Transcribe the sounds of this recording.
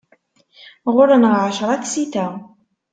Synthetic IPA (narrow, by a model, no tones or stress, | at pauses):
ʁʊɾənəʁʕaʃɾˤɑt̪sit̪æ